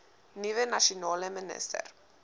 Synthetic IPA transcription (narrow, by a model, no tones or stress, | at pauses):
niʋɛnaʃinolɛmɛnɛ̰st̪ɛ̰ɾ